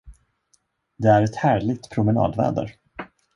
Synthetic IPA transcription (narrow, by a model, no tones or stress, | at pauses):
d̪ɛæɾɛt̪hæːɭɪɡ̚t̪pʰɾʊmɛnɑ̰ːd̪vɛ̰ːd̪ə̰ɾ